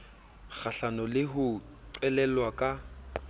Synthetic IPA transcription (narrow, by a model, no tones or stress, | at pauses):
k͡xʰaɬanɔlɪɦʊ | ǀɛlɛlwakʼa